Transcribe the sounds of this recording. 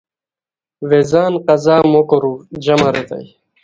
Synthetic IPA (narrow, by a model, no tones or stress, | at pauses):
ʋezaːnqɐzaːmokoɾuːd͡ʑɐmɐɾet̪a̰j